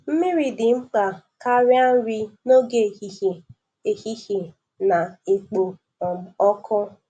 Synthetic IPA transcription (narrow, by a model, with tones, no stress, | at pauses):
m̩˦mɪ˦ɾi˦dɪ˨ŋ͡m̩˦k͡pa˨ka˦ɾɪ˦a˦n̩˦ɾi˦no˦ɡe˦˨i˦˨e˨ | e˨hi˦he˨ | na˨e˨k͡po˨ | ɔ˨m̩˨ɔ˦kʰɔ˦